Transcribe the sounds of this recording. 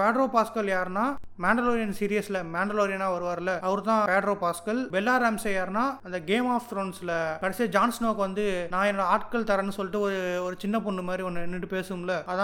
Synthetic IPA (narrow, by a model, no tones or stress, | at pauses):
peːɖɾoːpaːskɐljaːɾnaːmaːɳɖɐloːɾɪjɐnsiːɾɪjɐsɪlɐmaːɳɖɐloːɾɪjɐnaːʋɐɾɯʋaːɾlɐɐʋɐɾɯt̪ãːpeːɖɾoːpaːskɐlbɛlːaːɾɐmsɐjaːɾnaːɐnd̪ɐɡeːmaːft̪ɾoːnsɪlɐkɐɽɐsɪjɐd͡ʒaːnsnoːkʋɐnd̪ɯnãːɛnːɔɽɐaːʈkɐlt̪ɐɾɐnːɯsɔlːɪʈːɯɔɾɯɔɾɯt͡ʃɪnːɐpɔɳɖɯmaːd̪ɾiɔnːɯɛnːɪʈːɯpeːsɯɯmlɐɐðã